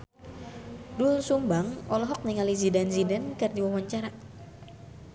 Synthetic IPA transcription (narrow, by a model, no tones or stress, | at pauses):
dulsumbaŋɔlɔɦɔk̚niŋalizidanzidɛnkərdiwawaɲt͡ʃaɾa